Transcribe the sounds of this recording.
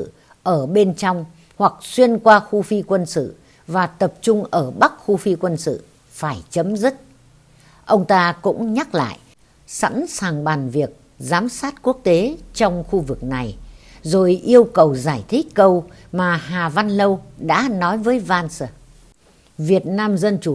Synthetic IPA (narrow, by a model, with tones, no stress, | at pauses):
ʔəː˧˩ɓe˧nt͡ɕɔ˧wŋ͡m | hwa˨˩k̚swi˧ənkwaː˧xu˧fi˧kwə˧nsɨ̰˧˨ | vaː˨˩t̪ə˨˩p̚t͡ɕʊ˧ŋ͡mʔəː˧˩ɓa˦˥k̚xu˧fi˧kwə˧nsɨ̰˧˨ | faː˧˩jt͡ɕə˨˦mzɨ˦˥t̚ | ʔə˧wŋ͡mt̪aː˧kʊ̰˧˥ŋ͡mɲa˦˥k̚la̰ː˧˨j | sa̰˧˥nsaː˨˩ŋɓaː˨˩nvi˨˩ək̚ | zaː˨˦msaː˦˥t̚ku˦˥ək̚t̪e˨˦t͡ɕɔ˧wŋ͡mxu˧vɨ˨˩k̚na˨˩jzo˨˩jʔi˧əwkə˨˩wzaː˧˩jt̪ʰï˦˥k̟̚kə˧wmaː˨˩haː˨˩va˧nlə˧wɗa̰ː˧˥nɔ˨˦jvəː˨˦jvaː˧ns | vi˨˩ət̚naː˧mzə˧nt͡ɕu˧˩˨